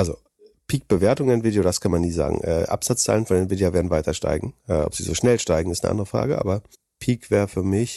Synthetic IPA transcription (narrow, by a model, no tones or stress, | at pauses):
ʔalzo | pʰiːk̚b̥əveːɐtʊŋanviːdjoːdaskʰanmanːiːza̰ːɡŋ̩ʔɛ̰ːʔa̰pz̥at͡st͡saːlənfɔndenviːdjaveːɐdn̩vaɪtʰɐʃta̰ɪɡŋ̩ʔɛ̰ːʔɔ̰pz̥iːzo̰ːʃnɛlʃtaɪɡŋ̩ɪstnəʔa̰ndəʁəfʁ̥a̰ːɡəʔa̰ːbɐ | pʰiːkv̥ɛːɐʁfyːɐmɪç